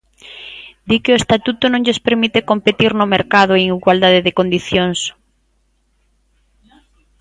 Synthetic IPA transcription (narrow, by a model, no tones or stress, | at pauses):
d̪ikɪoest̪at̪ut̪ʊnõŋʎespeɾmit̪ekompet̪iɾnʊmeɾkað̞ʊeeŋiɣwald̪aðeðɪkond̪iθjoŋs